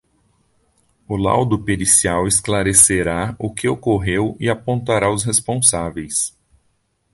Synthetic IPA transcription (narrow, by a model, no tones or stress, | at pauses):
ʊla̰wd̪ʊpeɾisiawesklaɾeseɾaʊkɪokoɦewɪapõnt̪aɾaʊsɦespõsavejs